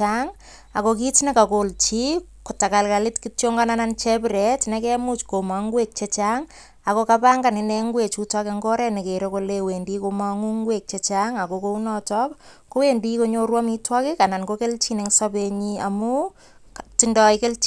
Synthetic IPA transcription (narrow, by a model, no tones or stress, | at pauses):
aŋ | akokitnekakolt͡ʃi | kotakalkalɪtkitjoŋɡananant͡ʃɛpɾɛtnekɛmut͡ʃkomaŋɡwek̚t͡ʃet͡ʃaŋ | akokapaŋɡanɪnɛŋɡwet͡ʃutɔkeŋɡɔɾɛnekeɾokolewendikomaŋuŋɡwek̚t͡ʃet͡ʃaŋakokounɔtɔp | kowendikoɲoɾwamitwɔkikanankokelt͡ʃineŋsapeɲia̰mu | ktindɔikelt͡ʃ